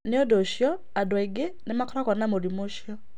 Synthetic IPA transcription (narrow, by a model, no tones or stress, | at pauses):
neodoʃjɔ | adwɔiɡenemakɔɾakɔnamoɾimoʃjɔ